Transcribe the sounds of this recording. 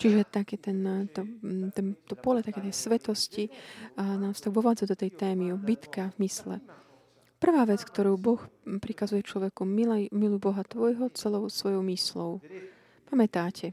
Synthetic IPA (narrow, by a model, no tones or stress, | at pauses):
t͡ʃiʒɛt̪akɛːt̪ɛnt̪ɔt̪ɛnt̪ɔpɔlɛt̪akɛːt̪ɛjsʋɛt̪ɔsci | naːst̪aɡʋɔʋaːd͡zad̪ɔt̪ɛjt̪ɛːmiɔbit̪kavmislɛ̰ | pr̩ʋaːʋɛt͡skt̪ɔɾuːbɔxpɾikazujɛt͡ʃlɔʋɛkumilmilujbɔɦat̪ʋɔjɦɔt͡sɛlɔʊsʋɔjɔʊmislɔʊ | pamɛt̪aːcʰɛ